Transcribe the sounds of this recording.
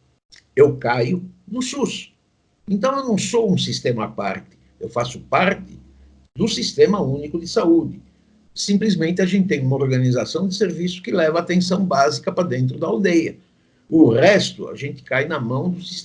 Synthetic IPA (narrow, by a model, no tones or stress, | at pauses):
ewkajʊnʊsus | ẽnt̪ɐ̃w̃ewnɐ̃w̃sowũsist̪ẽmɐapa̰ɾt̪ɪ̥ | ewfasʊpaɾt̪ɪ | d̪ʊsist̪ẽmɐũnikʊd̪ɪsaud̪ɪ | sĩmplizmẽnt̪ɪaʒẽnt̪ɪt̪ẽj̃umɐoɾɡɐnizasɐ̃w̃d̪ɪseɾvisʊ̥kɪlɛvɐaːt̪ẽsɐ̃w̃bazikɐpɾɐd̪ẽnt̪̬ɾʊd̪ɐːwd̪ejɐ | ʊʁɛst̪ʊa̰ʒẽnt̪ɪ̥kajnɐmɐ̃w̃d̪ʊsis